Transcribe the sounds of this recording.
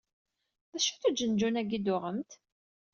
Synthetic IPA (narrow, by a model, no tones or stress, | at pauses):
ðæʃuθæd͡ʒənd͡ʒunæɡid̪ʊʁəmt̪